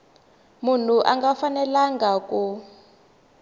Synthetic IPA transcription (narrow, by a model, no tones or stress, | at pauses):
mun̤uʔaŋɡafanɛlaŋɡaku